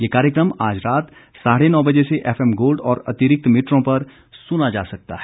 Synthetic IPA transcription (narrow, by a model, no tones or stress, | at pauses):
jeːkaːɾjəkɾəmaːd͡ʒɾaːt̪ | saːɽenɔːbɐd͡ʒeseʔɛːfʰɛmɡoːlɖɔːɾɐ̰t̪ɪɾɪk̚t̪mɪːʈɾõpɐɾ | sʊnad͡ʒaːsɐk̚t̪a̰ɦɛ